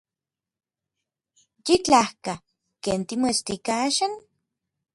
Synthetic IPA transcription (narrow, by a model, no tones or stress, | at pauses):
jit͡ɬahka | keːnt̪imoest̪ikaaʃan